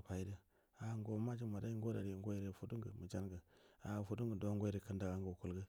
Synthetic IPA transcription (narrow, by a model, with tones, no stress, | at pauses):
pa˨i˦də˦ | a˨˦ŋ˦ɡo˨˦ma˦d͡ʒi˦ma˨da˦i˦ŋ˦ɡo˦da˨ɾi˨ŋɡo˦jɾe˨fu˦du˦ŋɡə˨mə˨d͡ʒa˦nɡə˨a˨fu˦du˦ŋɡə˨do˦ŋɡo˦i˦ɾe˨kə˦nda˨ɡa˦ŋɡo˨ku˨lɡə˦